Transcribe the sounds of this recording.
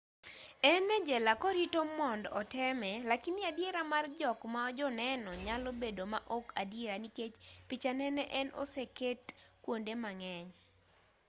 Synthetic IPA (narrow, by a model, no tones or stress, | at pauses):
ɛnɛd͡ʒɛlakɔɾitomɔndɔtɛmɛlakinɪadjeɾamard͡ʒɔkmaɔd͡ʒɔnɛnɔɲalobedomaʔokadjeɾaniket͡ʃpit͡ʃanɛnɛʔɛnɔ̰seketkwondemaŋɛɲ